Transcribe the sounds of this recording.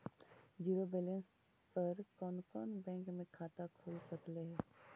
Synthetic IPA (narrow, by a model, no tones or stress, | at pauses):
d͡ʒiːɾobeːlẽns | pɐɾkɔːnkɔːnbɛ̃ːŋkmẽkʰaːt̪akʰoːlsɐkleɦɛː